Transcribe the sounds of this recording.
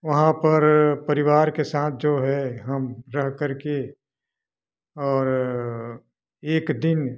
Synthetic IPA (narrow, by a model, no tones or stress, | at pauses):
ʋɐɦãpɐɾpɐɾɪʋaːɾkesaːt̪̚ʰd͡ʒoːɦɛɦɐmɾɐɦkɐɾke | ɔːɾ | eːkd̪ɪn